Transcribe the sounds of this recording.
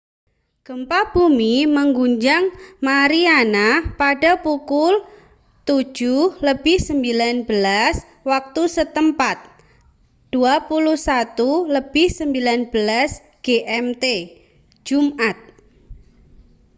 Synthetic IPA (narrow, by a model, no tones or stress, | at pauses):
ɡ̥əmpab̥umiməŋɡuɲd͡ʒaŋmaɾianapaɖapukʊl | t̪u̥d͡ʒʒ̥uhləb̥ɪhsəmbilanbəlas | wak̚t̪usət̪əmpat̪̚ | d̪̥uapuluhsat̪uləb̥ɪhsəmbilanb̥əlas | ɡ̥eʔɛmt̪e̥ | d͡ʒ̥umʔat̪̚